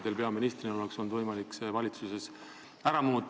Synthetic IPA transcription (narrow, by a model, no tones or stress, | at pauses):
d̪̥e̞lpe̞ɑminist̪rineolekso̞nd̪vɤjmɑliksevɑlʲit̪suse̞s | æɾɑmuːt̪ːˑ